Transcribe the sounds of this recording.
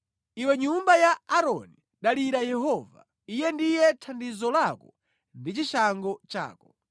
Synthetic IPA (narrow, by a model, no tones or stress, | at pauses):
iwɛɲumbajaaɾɔ̰ni | ɗaliɾajɛɦɔva̰ | ijɛndijɛtʰandizɔlakɔ | ndit͡ʃiʃaŋɡɔt͡ʃa̰ːkɔ